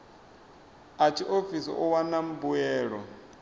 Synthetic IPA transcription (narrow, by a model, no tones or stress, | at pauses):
at͡ʃʰiʔofisḭʔuwanam̩buɛːɺɔ